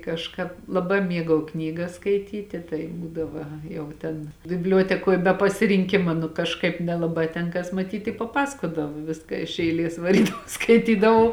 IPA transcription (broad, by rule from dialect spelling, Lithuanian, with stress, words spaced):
kɐʃˈkɑːp lˠɐˈbɑː ˈmʲiɛɡɐʊ ˈknʲiːɡɐs skɐɪˈtʲiːtʲɪ tɐɪ ˈbuːdɐʋɐ ˈjɛʊ ˈtʲɛn bʲɪbʲˈlʲuɔtʲɛkoːj bʲɛ pɐsʲɪrʲɪŋʲˈkʲɪmɐ nʊ kɐʃˈkɐɪp nʲɛlˠɐˈbɑː tʲɛn ˈkɐs mɐˈtʲiːt ɪ pɐˈpɑːsɐkoːdɐʋoː ˈʋʲɪskɐ ɪʃ ɛɪˈlʲeːs ʋɐˈrʲiːdɐʋɐʊ skɐɪˈtʲiːdɐʋɐʊ